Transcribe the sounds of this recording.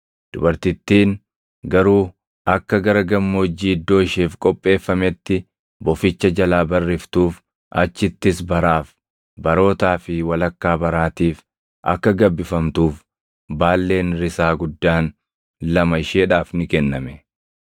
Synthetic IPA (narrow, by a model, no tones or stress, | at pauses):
d̪̥ʊbɐɾt̪ɪt̪ːiːn | ɡɐɾuː | ɐkːɐɡɐɾɐɡɐmːoːd͡ʒːiːd̪ːo̞ːɪʃeːfkʼɔpʼːe̞ːfːɐmɛt̪ːɪ | bɔfɪt͡ʃːɐd͡ʒɐlaːbɐrːɪft̪uːf | ʔɐ̰t͡ʃːɪt̪ːɪsbɐɾaːf | bɐɾo̞ːt̪aːfɪwɐlɐkːaːbɐɾaːt̪iːf | ʔɐ̰kːɐɡɐbːɪfɐmt̪uːf | baːlːe̞ːnɾɪsaːɡʊd̪ːaːn | lɐmɐɪʃeːᶑaːfnɪkɛnːɐmɛ